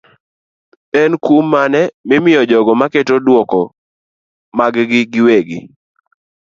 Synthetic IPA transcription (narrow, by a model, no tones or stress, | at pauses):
ɛnkumːanɛmɪmɪjɔd͡ʒɔɡɔmaketodwɔkɔ | maɡɡɪɡɪweɡɪ̰